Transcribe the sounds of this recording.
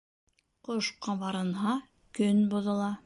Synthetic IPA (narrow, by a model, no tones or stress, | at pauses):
qoʃqɑβɑɾɤ̆nɦɑ | kɵnbŏðɤ̆lˠɑ